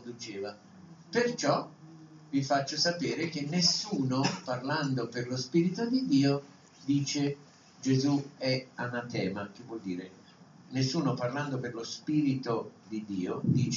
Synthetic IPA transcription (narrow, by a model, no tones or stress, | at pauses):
nd̪ut͡ʃɛːva | pert͡ʃɔ | vifat͡ʃːosapɛːɾek̟enːesːuːnoparland̪operlospiːɾit̪od̪id̪iːo | d̪iːt͡ʃe | d͡ʒezuɛanat̪ɛːmak̟ɪvːwɔld̪iːɾe | nesːuːnoparland̪operlospiːɾit̪od̪id̪iːod̪iːt͡ʃ